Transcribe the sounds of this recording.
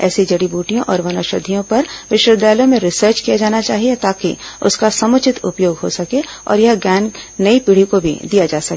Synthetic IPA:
ɛ̰ːsid͡ʒɐɽibuːʈijõʔɔːɾʋɐnɐʃəd̪ʱijõpɐɾʋɪʃwəd̪ɛːlõmẽɾɪsəːɾt͡ʃkijad͡ʒaːnat͡ʃaːɦiet̪aːkḭʊ̰skasɐmʊt͡ʃʰɪt̪ʊ̰pjoːɡɦo̰sɐke | ɔ̰ːɾjɐɦɡjɛːnnɐipiːɽ̤ikobʱḭd̪ijad͡ʒaːsɐke

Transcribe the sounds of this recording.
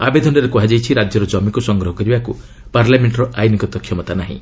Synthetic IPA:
a̰bed̪ʱɔnɔɾekɔɦad͡ʒajt͡ʃʰiɾad͡ʒjɔɾɔd͡ʒɔmikusɔŋɡɾɔɦɔkɔɾibaku | paɾlameɳʈɔɾɔʔajnikɔt̪ɔkʰːjɔmɔt̪anaɦḭ̃

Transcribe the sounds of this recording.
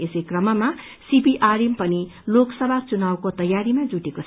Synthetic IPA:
esejkrʌmʌma | sibiʔaɾempʌniloksʌbʱat͡sunawkot̪ʌjaɾimad͡zuʈekot͡sʰ

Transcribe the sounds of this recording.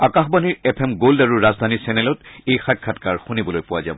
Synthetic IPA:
akaxbaniɹɛpʰɛmɡoldaɹuɹazd̪ʱanisɛnɛlɔtejxat̚kʰatkaɹxunibɔlojpʊwaza̰bɔ

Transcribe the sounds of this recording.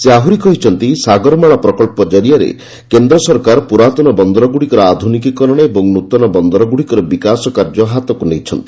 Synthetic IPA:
seaɦuɾikɔɦit͡ʃʰɔnt̪isaɡɔɾmaɭɔpɾɔkɔɭpɔd͡ʒɔɾijaɾḛ | kend̪ɾɔsɔɾkaɾpuɾat̪ɔnɔbɔnd̪ɔɾɔɡuɽikɔɾɔad̪ʱunikikɔɾɔɽ̃eebɔŋnut̪ɔnɔbɔnd̪ɔɾɔɡuɽikɔɾɔbikasɔkaɾd͡ʒɔɦat̪ɔkunejt͡ʃʰɔnt̪i̥

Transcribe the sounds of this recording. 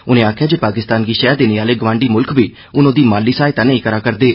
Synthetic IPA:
ʊnẽːaːkʰɪjaːd͡ʒeːpaːkɪst̪aːnɡiːʃɛːd̪eːneːaːleːɡʋãːɳɖiːmʊlkbiː | ʊnõːd̪iːmaːlːiːsaːet̪aːnaĩːkəɾaːkəɾd̪eː

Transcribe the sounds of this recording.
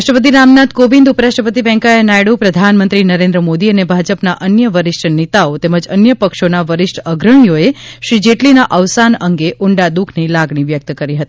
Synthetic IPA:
ʃʈəpət̪̬inamnat̪kobind̪upəɾaʃʈɾəpət̪̬iʋɛ̃ŋkaenajɽupɾəd̪ʱanmənt̪ɾinəɾẽnd̪ɾəmod̪iənebʱad͡ʒəpnaʔənjəʋəɾɪʂʈʰnit̪aot̪eməd͡ʒənjəpəkʃonaʋəɾɪʂʈʰəɡɾəɳijoeʃɾid͡ʒeʈlinaʔəʋsanəŋɡeʔʊɳɖad̪ukʰnilaɡɳ̃iʋjək̚t̪kəɾiɦət̪ii

